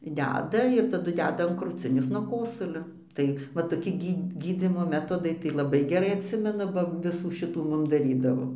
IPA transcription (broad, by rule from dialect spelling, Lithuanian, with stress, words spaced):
ˈdʲæːdɐ ɪr tɐˈdʊ ˈdʲæːdɐ ɐn krʊˈt͡sʲɪnʲeːs nuɔ ˈkoːsʊlʲoː ˈtɐɪ ʋɐ toːˈkʲɪ ˈɡʲiː ɡʲiːˈd͡zʲiːmoː ˈmʲæːtoːdɐɪ tɐɪ lˠɐˈbɐɪ ɡʲɛˈrɐɪ ɐtʲˈsʲɪmʲɛnʊ ˈbɐ ˈʋʲɪsuː ˈʃʲɪtuː ˈmʊm dɐˈrʲiːdɐʋoː